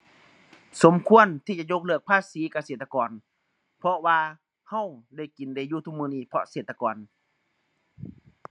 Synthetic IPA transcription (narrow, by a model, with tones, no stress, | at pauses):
so˨˦mkʰu˧˥˨ənt̪ʰiː˧t͡ɕa˧ʔɲo˧˥k̚lɯ˧˩ək̚pʰaː˧˨siː˨˦ka˧˩seː˨˩t̪ːa˧kɔː˨n | pʰɔ˧waː˧ | ha˧˥˨wda˧˥˩jki˨˦nda˧˩˨juː˧t̪ʰu˧˨mɯː˧niː˧˩˨pʰɔ˧seː˨˩t̪ːa˧kɔː˨n